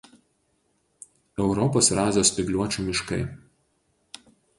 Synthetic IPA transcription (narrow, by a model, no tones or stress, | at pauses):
ɛʊɾɔpoːsɾɑːzʲoːspʲɪɡlʲuɔt͡ʃʲuːmʲɪʃkɐ̰ɪ